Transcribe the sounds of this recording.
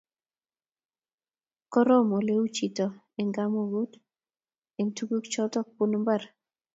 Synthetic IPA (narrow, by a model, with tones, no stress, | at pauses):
kɔ˦ɾɔ˦mo˨le˦wu˦t͡ʃi˨tɔ˨ | ɪ˨ŋɡa˦mo˦˨wu˦d | e˨ŋtu˦ɡu˦kt͡ʃɔ˦tɔ˦k̚pu˦nmba˦˨ɾ